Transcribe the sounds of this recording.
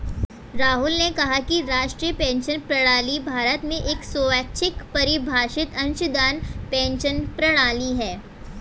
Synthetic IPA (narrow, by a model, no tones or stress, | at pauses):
ɾaːɦʊlnekɐɦakiɾaːʃʈɾijəpɛ̃ːnʃənpɾɐɽ̃aːlibʱaːɾət̪mẽʔeːksoʋaːtːʃʰɪkpɐɾɪbʱaːʃɪt̪ɐ̃nʃʊd̪aːnpɛ̃ːnʃənpɾɐɽ̃aːliɦɛː